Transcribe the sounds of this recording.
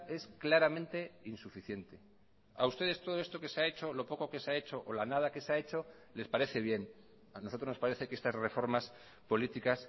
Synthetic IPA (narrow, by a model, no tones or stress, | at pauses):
e̞sklaɾamẽnt̪e̞insufiθje̞nt̪e̞ | a̰ust̪e̞ð̞est̪o̞ðo̞e̞st̪o̞ke̞seae̞t͡ʃo̞lo̞po̞ko̞ke̞seae̞t͡ʃo̞ʔolanað̞ake̞seae̞t͡ʃo̞ | le̞spaɾeθe̞β̞je̞n | anoot̪ɾo̞znospaɾe̞θe̞kee̞st̪azre̞fo̞ɾmas | po̞lit̪ikas